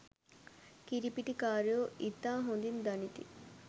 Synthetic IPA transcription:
kiɾipiʈikaːɾjoʔit̪ːaːɦond̪ind̪ɐnit̪ḭ

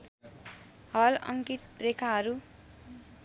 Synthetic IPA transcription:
hʌlʌ̰ŋkit̪rekʰaɦʌɾu

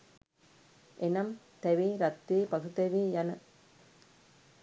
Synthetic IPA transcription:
ʔɛnɐm | t̪ɐʋiɾɐt̪ːipɐɣɯt̪ɐʋijɐnɐ

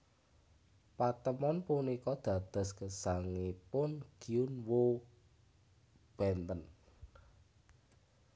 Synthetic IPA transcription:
pat̪əmɔnpunikɔd̪̥a̤d̪̥a̤skəsaŋipʊnɡ̥iʊnwo | b̥ɛnt̪ən

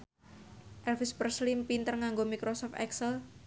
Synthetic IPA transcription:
ʔɛlfispərslimpint̪ərŋaŋɡomikɾosɔft̪ɛ̰ksəl

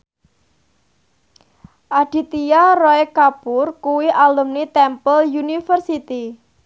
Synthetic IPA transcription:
ʔaɖ̥i̤t̪ijarɔekapʊrkuwiʔalumnit̪ɛmpəljunifərsit̪i

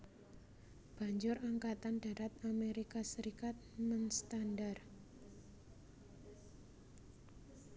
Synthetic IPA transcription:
b̥a̤ɲd͡ʒʊraŋkat̪and̥a̤ɾat̪̚ameɾikasəɾikat̪̚mənst̪andar

